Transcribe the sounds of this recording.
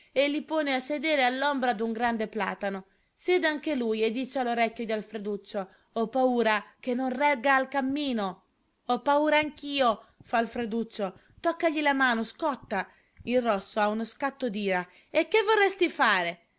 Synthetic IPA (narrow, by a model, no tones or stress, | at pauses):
elːipoːneasːed̪eːɾealːombɾad̪uŋɡɾand̪epla̰ːt̪ano | sjɛːd̪eaŋkelujed̪ːiːt͡ʃealoɾɛkʲːod̪ialfɾed̪ut͡ʃːo | ɔpːauːɾakenːonrɛɡːaːlkamːiːno | ɔpːauːɾaaŋkiːofalfɾed̪ut͡ʃːo | t̪ɔkːaʎilamaːnoskɔt̪ːa | ilrɔsːoaunoskat̪ːod̪iːɾa | ekːevːorːɛst̪ifaːɾe